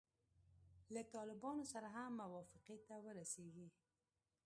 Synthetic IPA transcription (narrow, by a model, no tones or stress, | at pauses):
lat̪ɑlɪbɑnosaɾaɦamːawɑfɪqet̪awəɾaseɡi